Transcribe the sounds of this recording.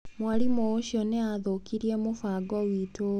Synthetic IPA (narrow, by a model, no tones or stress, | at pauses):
mwalimooɕjɔneaðokiɾiemofaɡɔwito